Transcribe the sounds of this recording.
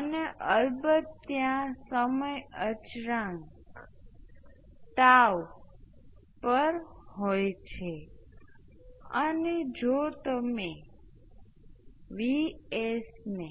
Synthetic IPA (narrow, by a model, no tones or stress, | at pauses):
əneʔəɾbədt̪jãsəməjət͡ʃɾãŋk | t̪aʋ | pəɾɦojt͡ʃʰe | əned͡ʒot̪əme | ʋiesne